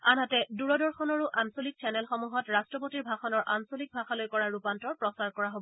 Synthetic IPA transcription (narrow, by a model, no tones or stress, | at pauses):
anɦatɛduɹɔdɔɹxɔnɔɹuʔansolik̚sʰɛnɛlxɔmuɦɔtɹastɹɔp̬otiɹbʱaxɔnɔɹʔansolik̚bʱaxalojkɔɹaɹɹupantɔɹpɹɔsaɹkɔɹaɦobɔɔ